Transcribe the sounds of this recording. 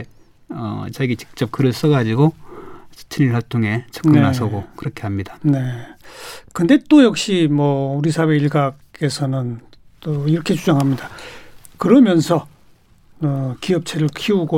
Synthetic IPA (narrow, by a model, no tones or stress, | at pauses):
ʌ̰t͡ɕaɡit͡ɕi̥k̚t͡ɕ͈ʌp̚kɯɾɯɭs͈ʌɡad͡ʑiɡosi̥t͡ɕʰiniɭɦwaɭtʰoŋe̞t͡ɕʰʌkɯnasʰʌɡokɯɾʌkʰe̞ɦamɲidane̞ | kɯnde̞t͈ojʌk̚ɕ͈imwʌuɾisʰawe̞iɭɡak͈e̞sʰʌnɯnt͈oiɾʌkʰe̞t͡ɕud͡ʑʌŋɦamɲidakɯɾʌmjʌnsʰʌ | ɯkiʌp̚t͡ɕʰeɾɯɭkʰiuɡo